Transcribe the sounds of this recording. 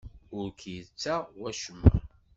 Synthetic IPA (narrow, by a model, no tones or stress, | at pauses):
ʊɾkʰjət͡sːæwæʃəmːə̰ɾ